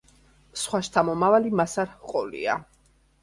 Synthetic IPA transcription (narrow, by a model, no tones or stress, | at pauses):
sχwaʃt̪ʰamɔmavalimasaɾhqʼɔlḭa̰